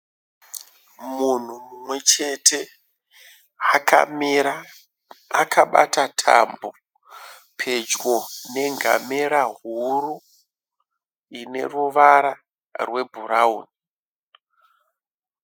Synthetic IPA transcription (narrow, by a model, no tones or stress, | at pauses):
mun̤umumwe̞t͡ʃe̞tʰe̞ | akʰaɓa̰tatʰa̰mbo | pʰe̞d͡ʒɡo̞ne̞ŋɡʱa̰meɾaɦuru | ine̞̰ruʋaɾa | rwe̞bʱuɾauːni